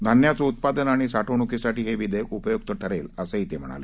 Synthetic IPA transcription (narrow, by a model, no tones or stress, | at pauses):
d̪ʱanjat͡sout̪̚pad̪ənaɽ̃isaʈʰoɳ̃ukisaʈiːɦeʋid̪əjkkupəjuk̚t̪əʈʰəɾeləseɦit̪em̤əɽ̃a̰lḛ